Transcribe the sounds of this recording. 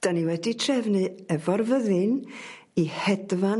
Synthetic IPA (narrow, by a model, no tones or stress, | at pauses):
d̥aniwɛditʰrɛvnɨɛvɔrvəðɨn | ihɛdva